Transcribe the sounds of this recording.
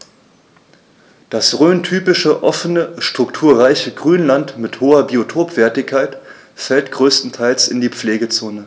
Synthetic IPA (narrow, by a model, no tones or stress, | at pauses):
d̥asʁøːntʰyːpɪʃəʔɔfənəʃtʁ̥ʊktʰuːɐʁaɪçəɡʁyːnlantmɪthoːɐbiotʰoːpv̥ɛɐtɪçkʰːaɪt | fɛltɡ̥ʁøːstn̩tʰaɪlsɪndiːp͡fleːɡət͡soːnə